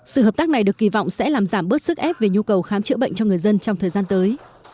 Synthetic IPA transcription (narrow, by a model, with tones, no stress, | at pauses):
sɨ̰˧˨ə˨˩p̚t̪aː˦˥k̚na˨˩jɗɨ˨˩əkːi˧˩vɔ̰˧˨wŋ͡msɛ̰˧˥laː˨˩mzaː˧˩mɓəː˦˥t̚sɨ˦˥k̚ʔɛ˦˥p̚ve˨˩ɲu˧kə˨˩wxaː˨˦mt͡ɕɨ̰˧˥ɓə̰˧˨jŋ̟t͡ɕɔ˧ŋɨ˨˩əjzə˧nt͡ɕɔ˧wŋ͡mt̪ʰəː˨˩jzaː˧nt̪əː˨˦j